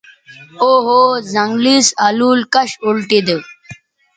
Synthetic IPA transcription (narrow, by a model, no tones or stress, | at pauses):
oːɦoːzɐŋɡlisɐluːlkɐɕulʈid̪